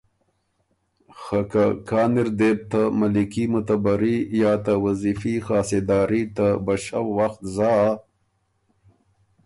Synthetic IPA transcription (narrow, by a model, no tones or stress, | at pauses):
xakakʰɑːnɪɾd̪eb̚t̪amalikimʊt̪abaɾijɑːt̪awazifixɑːsed̪ɑːɾit̪abaʃawːaxt̪zɑ